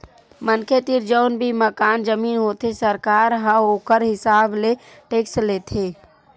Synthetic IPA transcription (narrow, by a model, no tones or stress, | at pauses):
mənkʰet̪iɾd͡ʒəʊnbʱiməkaːnd͡ʒəmiːnɦot̪esəɾkaːɾɦə̃oːkəɾɦɪsaːble | ʈeːksʈlet̪ʰe